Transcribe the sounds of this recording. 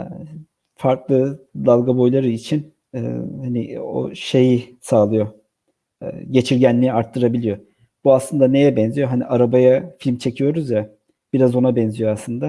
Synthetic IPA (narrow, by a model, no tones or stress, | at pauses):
faɾklˠɯd̪alˠɡabo̞jlˠaɾɯit͡ʃʰin̰ | hanio̰ʃe̞jisaːlˠɯjo̞ | ɯ̰ɟe̞t͡ʃʰiɾɟænlːʲiiaɾt̪ʰːɯɾabilʲijo̞ | b̥uaslˠɯnd̪ane̞jɛbɛnzijo̞ɦaniʔaɾabajafilʲmt͡ʃʰe̞cʰijo̞ɾuzja | b̥iɾazo̞nabɛnzijoasˠɯnd̪a